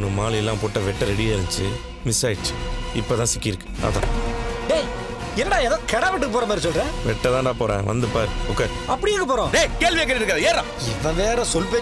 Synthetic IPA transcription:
nɯmaːlɛlːãːpoʈːɐʋɛʈːɐɾɛɽɪjaɪɾɯɲt͡ʃɯ | mɪsaːjɪt͡ʃːɯ̥ɪpːoːt̪ãːsɪkːɪɾɯkːɯ̥ɐ̰ðã̰ːdeː | ɛnːɐɖaːɛðoːkɛɽaːʋɪʈ̬ːɯkːɯpoːɾɐmaːd̪ɾisɔlɾɛ̃ːʋɛʈːɐt̪ãːʈãːpoːɾḛ̃ːʋɐ̰nd̪ɯpaːɾɯɔkːeːɾ | ɐpːɐɽɪjeːkɯpoːɾõːdeːkeːlʋɪjek̬ːɐɾɪɾɯkːaðɐeːɾãː | ɪʋɐ̃ʋeːɾɐsɔlp̬eː

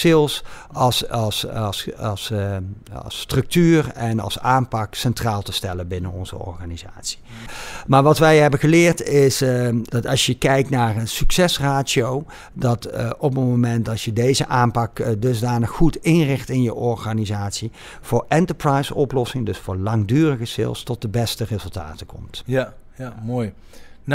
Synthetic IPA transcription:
ɪlˠs | ɑssss | strɵk̚tyːrɛnɑ̰lˠsaːmpɑksɛntraːlˠtəstɛləbɪnənɔ̰nzə̰ɔ̰ɹχaːniza̰ːtsi̥ | maːɹʋɑtʋɛjɦɛbəɣəlɪːɹtɪsd̥ɑtɑsjəkɛjk̚tnaːrənsyksɛsraːsiow | dɑtɔp̬əmomɛntɑʃjədejzəʔaːmpɑkdɵzdaːnəxːutɪnrɪxtɪnjəʔɔɹɣaːnizaːtsi | v̥ʊːɹɛntəɹprɑjsɔplɔsɪŋdɵsfʊːɹlɑŋdyːrəɣəsɪ̰lˠstɔt̚dəbɛstərɪzɵlˠta̰ːtəkɔ̰mt | moj

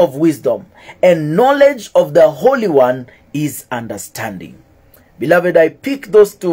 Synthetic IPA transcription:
ɔvwɪzdə̃m | ɨ̃nːɔlɛd͡ʒʌvðəhoʊliwʌ̃n | ɪzʌ̃ndə˞stʰæ̃ndɪ̰̃ŋ | bɨlʌvɨdaɪpɪkðoz̥tu

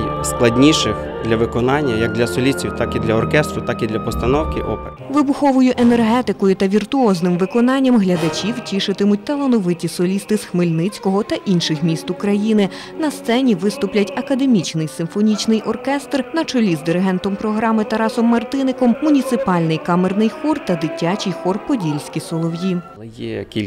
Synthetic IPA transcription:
jsklˠɐdʲnʲiʃɪx | d̪lʲɐʋɪkɔnɑnʲːɐjɐɡ̚d̪lʲɐsɔlʲit͡sʲiwt̪ɑkid̪lʲɐɔrkɛst̪ɾʊt̪ɑkid̪lʲɐpɔst̪ɐnɔwkɪʔɔ̰pe | ʋɪbʊxɔʋʊjʊʔenerɦɛt̪ɪkɔjʊt̪ɐʋʲirt̪ʊɔznɪmʋɪkɔnɑnʲːɐmɦlʲɐd̪ɐt͡ʃʲiwtʲiʃɪt̪ɪmʊt̚ʲt̪ɐlˠɐnɔʋɪtʲisɔlʲist̪ɪsxmɪlʲnɪt͡sʲkɔɦɔt̪ɐʔinʃɪxmʲist̪ʊkɾɐjinɪ | nɐst̪sɛnʲiʋɪst̪ʊplʲɐtʲɐkɐd̪e̞mʲit͡ʃnɪjsɪmfɔnʲit͡ʃnɪjʔɔrkɛst̪rnɐt͡ʃɔlʲizd̪ɪɾɪɦɛnt̪ɔmpɾɔɦɾɑmɪt̪ɐɾɑsɔmːɐrt̪ɪnɪkɔmːʊnʲit̪sɪpɑlʲnɪjkɑmernɪjxɔrt̪ɐd̪ɪtʲːat͡ʃijxɔrpɔdʲilʲsʲkʲisɔlˠɔwji | jɛkʲilʲ

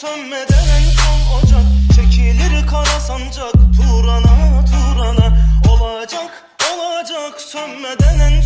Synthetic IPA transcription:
sønmed̪ɛnænsonad͡ʒɑkt͡ʃʰecʰilʲiɾikʰaɾasand͡ʒakt̪ʰuɾanat̪ʰuɾanɑo̞lˠad͡ʒak | olˠad͡ʒɑksønmed̪ɛnæn

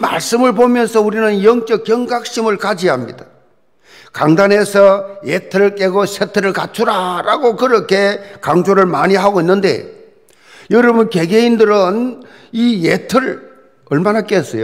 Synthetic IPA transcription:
ma̰ɭs͈ɯmɯɭbomjʌnsʰʌuɾinɯnjʌŋk͈ʌk̚jʌŋɡak̚ɕ͈imɯɭkad͡ʑiɦamɲḭda | kaŋdanɦe̞sʰʌjetʰɯɾɯɭk͈ʼe̞ɡoɕʰetʰɯɾɯɭkat͡ɕʰuɾaɾaɡokɯɾʌkʰe̞kaŋd͡ʑoɾɯɭmaɲiɦaɡoinːɯnde̞̰ | jʌɾʌbunke̞ɡeindɯɾɯn | ijetʰɯɾ | ʌɭmanak͈es͈ʌjo

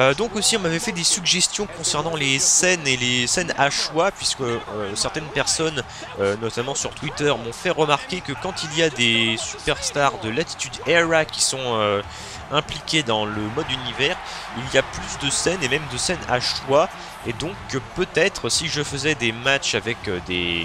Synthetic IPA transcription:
ød̪ɔ̃kosiɔ̃mavɛfɛd̪esyɡʒɛst̪jɔ̃kɔ̃sɛʁnɑ̃lesɛnelesɛnaʃwapɥiskəøsɛʁt̪ɛnpɛʁsɔn | ønɔt̪amɑ̃syʁt̪wit̪œʁmɔ̃fɛʁəmaʁkʲekəkɑ̃t̪ilijad̪esypɛʁst̪aʁd̪əlat̪i̥t̪yd̪ɛʁakʲi̥sɔ̃ø | ɛ̃plikʲed̪ɑ̃ləmɔd̪ynivɛʁ | iliaplysd̪əsɛnemɛmd̪əsɛna̰ʃwa | ed̪ɔ̃kːəpøt̪ɛt̪χəsiʒəfəzɛd̪emat͡ʃavɛkød̪ḛ

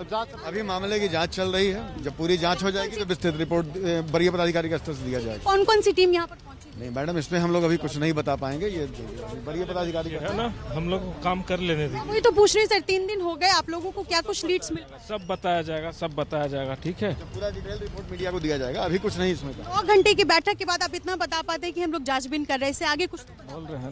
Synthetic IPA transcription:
ɐzat̪ɐbʱimaːmlekid͡ʒãːt͡ʃt͡ʃɐlɾɐɦiɦɛd͡ʒɐb̚puːɾid͡ʒãːt͡ʃɦod͡ʒaːeɡit̪obɪst̪ɪt̪ɾɪpoːɾʈ̚bɐɾijapɐd̪ad̪ʱɪkaːɾikɐstʈəɾs̬d̪ijad͡ʒaːḛɡakɔːnkɔːnsiʈiːmjɐɦãpɐɾɔ̃t͡ʃnɐɦĩmɛːɖəmɪsmẽɦɐmloːɡɐbʱikʊt͡ʃʰnɐɦĩbɐt̪apaːẽːŋɡejebɐɾijapɐd̪aːd̪ʱɪkaːɾikɦnaɦɐmloːɡkaːmkɐɾleːned̪ʋoɦit̪op̬uːt͡ʃʰɾɐisɐɾt̪iːnd̪ɪnɦoɡɐeaːploːɡõkokjaːkʊt͡ʃʰliːʈsmɪl | sɐbːɐt̪aːjad͡ʒaːeɡasɐbːɐt̪aːjad͡ʒaːeɡaʈʰiːkɦɛːɐpuːɾad͡ʒiʈeːlɾɪpoːɾʈmiːɖijakod̪ijad͡ʒaːeɡaɐbʱikʊt͡ʃʰnɐɦĩɪsmẽkːɔːɾɡʱɐ̃ɳʈek̬ebɛːʈʰəkːebaːd̪aːpɪt̪nabɐt̪apaːt̪eɦɛ̃kiɦɐmloːɡd͡ʒaːd͡ʒbɪnkɐɾːɐɛɪseaːɡekʊt͡ʃʰ | boːlɾɐɦɛ

